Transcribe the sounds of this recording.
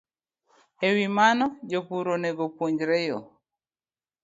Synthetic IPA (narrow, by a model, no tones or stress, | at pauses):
hewimanɔd͡ʒopuɾonɛɡopuɲd͡ʒɾɛjɔ